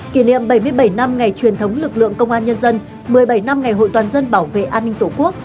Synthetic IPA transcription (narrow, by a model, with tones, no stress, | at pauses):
ki˧˩nḭ˧˨əmɓə˧˩jmɨ˧əjɓə˧˩jna˧mŋa˨˩jt͡ɕwi˨˩ənt̪ʰə˨˦wŋ͡mlɨ˨˩k̚lɨ̰˧˨əŋkə˧wŋ͡mʔaː˧nɲə˧nzə˧n | mɨ˨˩əjɓə˧˩jna˧mŋa˨˩jɦo̰˧˨jt̪waː˨˩nzə˧nɓaː˧˩wvḛ˧˨ʔaː˧nːï˧ŋ̟t̪o˧˩ku˦˥ək̚